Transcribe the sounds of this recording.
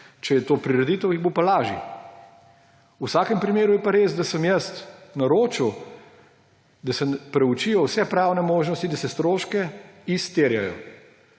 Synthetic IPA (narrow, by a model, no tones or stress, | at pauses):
t͡ʃɛjɛt̪oːpɾiɾɛd̪it̪əwiɣbopalaːʒḭ | usaːkɛmpɾimeːɾujɛpaɾeːzd̪asəmjəst̪naɾoːt͡ʃiw | d̪asɛpɾɛut͡ʃijɔwsɛpɾawnɛmoːʒnɔst̪id̪asɛst̪ɾoːʃkɛist̪eːɾja̰jɔ̰